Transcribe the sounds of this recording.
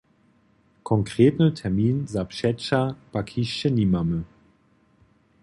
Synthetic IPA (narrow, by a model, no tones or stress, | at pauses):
kʰɔŋkʁ̥eːtnətʰɛɐmiːnzapʃɛt͡ʃab̥akʰiʃənimamə